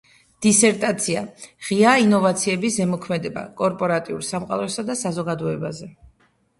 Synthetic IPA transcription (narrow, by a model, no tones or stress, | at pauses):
d̪̥isɛɾt̪ʼat̪sʰiaʁiainɔvat̪sʰiɛbisɛmɔkʰmɛd̪ɛba̰kʼɔɾpʼɔɾat̪ʼiṵɾsamqʼa̰lˠɛsad̪asazɔɡad̪ɔɛbazɛ